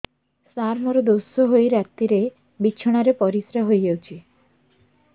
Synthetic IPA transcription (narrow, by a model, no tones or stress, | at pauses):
saɾmɔɾɔd̪osɔɦojɾat̪ːiɾe | bit͡ʃʰɔɽ̃aɾepɔɾisɾaɦojɡawt͡ʃʰi